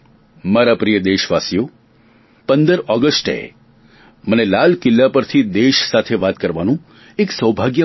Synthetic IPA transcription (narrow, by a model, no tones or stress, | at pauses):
maɾapɾijəd̪eʃʋasijo | pənd̪əɾɔɡəsʈḛ | mənelalkɪlːapəɾt̪ʰid̪eʃsat̪ʰeʋat̪kəɾʋanũ | eksəwbʱaɡjə